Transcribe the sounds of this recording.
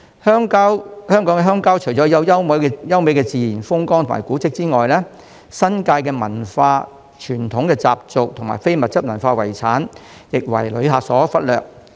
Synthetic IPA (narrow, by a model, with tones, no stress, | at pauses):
hœ˥ŋkːwhœː˥ŋkɔ˨˥ŋɛ˧ɦœː˥ŋkaː˥wt͡ʃʰɵ˨˩ɥt͡sɔː˨˥jɐ˨˧wjɐ˥wmɐ˨˥jjɐ˥wme˨˥jkɛː˧t͡siː˨jiː˨˩nfʊ˥ŋkɔː˥ŋt̪ʰma̰ː˨˩kuː˨˥t͡sɪ˥k̚t͡siː˥ŋɔː˨jlɛː˥ | sɐ˥nkaː˧jkɛː˧mɐ˨˩nfaː˧ | t͡ʃʰyː˨˩nt̪ʰʊ˨˥ŋkɛː˧t͡sa̰ː˨p̚t͡sʊ˨k̚t̪ʰʊ˨˩ŋma̰ː˨˩jfe˥jmɐ˨t̚t͡sɐ˥p̚mɐ˨˩nfaː˧wɐ̰˨˩jt͡sʰaː˨˥njɪ˨k̚wɐ̰˨˩jlɵ̰˨˧ɥɦaː˧sɔː˨˥fɐ˥t̚lœ̰ː˨k̚